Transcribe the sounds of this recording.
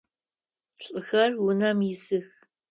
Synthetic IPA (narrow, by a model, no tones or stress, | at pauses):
ɬʼɨxɐrwʊnɐmjɪsɨx